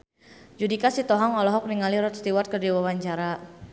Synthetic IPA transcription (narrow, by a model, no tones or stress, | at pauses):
d͡ʒudikasit̪ɔɦɔŋɔlɔɦɔk̚niŋaliɾɔt̪̚st̪iwat̪̚kərdiwawaɲt͡ʃaɾa